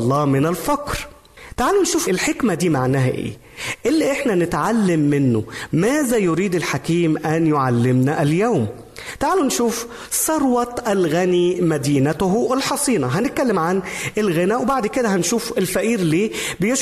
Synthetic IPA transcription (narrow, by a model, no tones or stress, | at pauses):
lˤːɑːmɪnælfɑqɾ | t̪aʕaːlunʃuːfelħekmæd̪iːmaʕnæːɦæʔḛː | ʔɪlːiʔeħnænɪt̪ʕalːɪmːɪnːo̰mæːzæjoɾiːd̪ɪlħakiːmʔænjoʕalːɪmnæʔæljæwm | t̪aʕaːlunʃuːf | sˤɑɾˤwɑt̪ʔælɣænimæd̪iːnæt̪ʊɦɪlħɑsˤiːnɑɦænɪt̪̚kælːemʕanʔelɣenæːʔwebaʕd̪ked̪æɦænʃuːfelfæʔiːɾliːbejeʃ